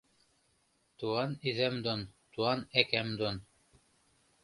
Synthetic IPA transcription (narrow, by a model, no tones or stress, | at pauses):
t̪uɑniðæmd̪ont̪uɑnækæmd̪on